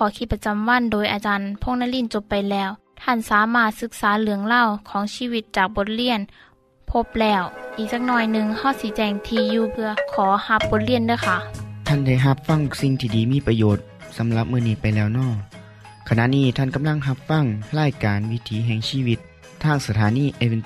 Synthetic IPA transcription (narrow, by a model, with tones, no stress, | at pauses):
kʰɔː˨˦kʰi˧t̪̚pa˧t͡ɕa˧mwa˧˥˨ndoː˨jʔa˨˧t͡ɕaː˧npʰo˧˥˨ŋna˧˥˨li˧˥˩nt͡ɕo˧˦pːa˨jlɛː˧˩w | t̪ʰa˧˥˨nsaː˨˦maː˧˥˩t̪̚sɯ˧˥k̚saː˨˦lɯ˩˦əŋla˧˥˨wkʰɔː˨˦ŋsiː˧˨wi˧t̪̚t͡ɕaː˨˩k̚bo˧˦t̪̚li˧˥˩ən | pʰo˧˥˩p̚lɛː˧˩wʔiː˨˩k̚saː˧k̚nɔː˧˩jnɯ˧ŋha˧˩wsiː˨˦t͡ɕɛː˧˩ŋt̪ʰiː˧˩juː˧˩pʰɯ˧ɐkʰɔː˨˦ha˧˥p̚bo˧˦t̪̚li˧˥˨əndɯː˧˥˨kʰa˧˩t̪ʰa˧˥˩nda˧˩˨jɦa˧˦p̚fa˧˩˨ŋsi˧ŋt̪ʰiː˧˩diː˨˦miː˧˥˨pɾa˧joː˨˩t̪̚ | sa˨˦mla˧˦p̚mɯː˧˨niː˧˩pa˨jlɛː˧˩wnɔː˧˩j | kʰa˧na˧ʔniː˧˩t̪ʰa˧˥˩nka˨˦mla˧˩˨ŋɦa˧p̚fa˧˥˩ŋlaː˧˥˨jkaː˨nwi˦˧˥t̪ʰiː˨˦ɦɛː˧˩ŋsiː˧˩wi˧˦t̪̚ʰː | aː˧˥˩ŋsa˧t̪ʰaː˨˦niː˧˥˩ʔe˧wi˧n